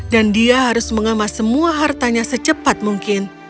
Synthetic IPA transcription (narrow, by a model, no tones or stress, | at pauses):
dandiaɦaɾʊsməŋəmasəmuaɦart̪aɲasət͡ʃəpat̪̚muŋkɪn